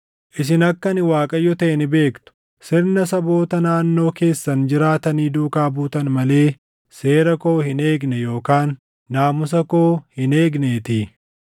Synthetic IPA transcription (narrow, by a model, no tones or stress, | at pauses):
ʔɪs̬ɪnɐkːɐnɪwaːkʼɐjːɔt̪ɐʔɛnɪbe̞ːkt̪ʊ̥ | sɪɾnɐsɐbo̞ːt̪ɐnaːnːo̞ːke̞ːsːɐnd͡ʒɪɾaːt̪ɐniːd̪uːkaːbuːt̪ɐnmɐle̞ː | se̞ːɾɐko̞ːhɪne̞ːɡnɛjo̞ːkaːnː | aːmʊs̬ɐko̞ːhɪne̞ːɡneːt̪iː